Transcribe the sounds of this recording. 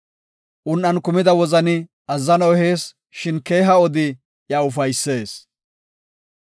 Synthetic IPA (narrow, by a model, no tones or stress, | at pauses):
ʔʊnʔɐnkʊmɪd̪ɐwɔzɐnɪ | ɐzːɐnɔhe̞ːs | ʃɪnke̞ːɦɐɔd̪ɪ | jɐʊfɐjsːe̞ːs